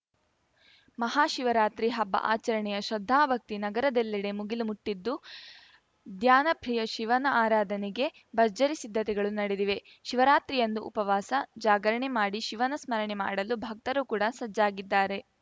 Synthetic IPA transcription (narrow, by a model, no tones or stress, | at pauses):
mɐɦaːʃiʋɐɾaːt̪ɾiɦɐbːɐ̰ʔa̰ːt͡ʃɐɾɐɳɛjɐʃɾɐd̪ʱːaːbʱɐk̚t̪inɐɡɐɾɐd̪ɛlːɐɽemuɡilumuʈːid̪ːu | d̪ʱjaːnɐpʰɾijɐʃiʋɐnɐaːɾaːd̪ʱɐniɡe̞ | bɐɾd͡ʒɐɾisid̪ʱːɐt̪ɛɡɐɭunɐɽed̪iʋe̞ | ʃiʋɐɾaːt̪ɾijɐnd̪uʔupɐʋaːsɐd͡ʒaːɡɐɾɐɳemaːɽiʃiʋɐnɐsmɐɾɐɳema̰ːɽɐlubʱɐk̚t̪ɐɾuːkuːɽɐsɐd͡ʒːaːɡid̪ːaːɾe̞